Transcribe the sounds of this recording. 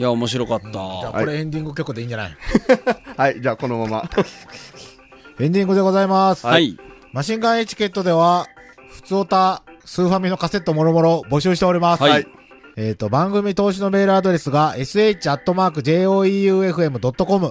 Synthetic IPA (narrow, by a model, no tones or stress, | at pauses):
jaomo̞ɕ̬iɾo̞kat̪ːad͡ʑaːoɾeẽ̞nd̪ʲĩŋɡɯ̟kʲo̞kɯ̟d̪e̞ĩːɲd͡ʑana̰i | haid͡ʑaːko̞nomama̰ | ẽ̞ɲd̪ʲĩŋɡɯ̟d̪e̞ɡo̞zaimasɨ̥a | maɕĩŋɡãɰ̃e̞t͡ɕi̥kʲe̞t̪ːo̞d̪e̞β̞a | ɸɯ̟̥t͡sɨo̞t̪asɨːɸamʲino̞kase̞t̪ːo̞mo̞ɾo̞mo̞ɾo̞bo̞ɕɨːɕ̬i̥t̪e̞oɾʲimasi | e̞ːt̪ːo̞bãŋɡɯ̟mʲit̪o̞ːɕ̬ino̞me̞ːɾɯ̟ad̪o̞ɾe̞sɨɡae̞sɨe̞it͡ɕiat̪ːo̞maːkɯ̟d͡ʑe̞ːo̞ːiɯːe̞ɸɯ̟e̞mɯ̟d̪o̞t̪ːo̞ko̞mɯ̟